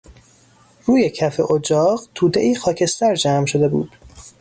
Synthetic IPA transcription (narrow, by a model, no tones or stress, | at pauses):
ruːje̞cʰæfḛʔod͡ʒɒːɢt̪ʰuːd̪e̞ʔiːxɒːcʰe̞st̪æɾd͡ʒæːmʃod̪e̞bṵːd̪̥